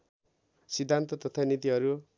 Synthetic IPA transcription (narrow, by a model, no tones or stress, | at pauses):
sid̪ʱːant̪ʌt̪ʌt̪ʰʌnit̪iɦʌɾu